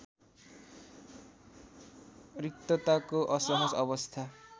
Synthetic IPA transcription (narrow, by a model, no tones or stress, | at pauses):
rik̚t̪ʌt̪akoʔʌsʌɦʌsʌbʌst̪ʰa